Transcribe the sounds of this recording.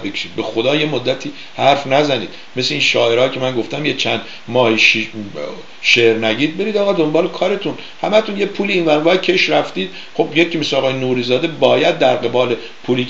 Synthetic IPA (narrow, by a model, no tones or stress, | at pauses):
bekʰe̥ʃiːd̪̚be̞xod̪ɒːje̞mod̪ːæt̪ʰiː | hæɾfnæzæniːd̪̚ | mesleiːnʃɒːʔe̞ɾɒːcʰe̞mænɡo̞ft̪æmjet͡ʃʰænd̪ | mɒːhiʃi | ʃeɾnæɟiːd̪̚be̞ɾiːd̪ɒːɣɒːd̪o̞mbɒːlekʰɒːɾe̞t̪ʰun | hæmæt̪unjepʰuːliːnvæɾvɒcʰe̞ʃɾæft̪iːd̪̥̚ | χo̞bjecʰːiːmesleɒːɣɒːjenuːɾiːzɒːd̪e̞bɒːjæd̪̚ːæɾɡe̞bɒːle̞ | pʰuːliː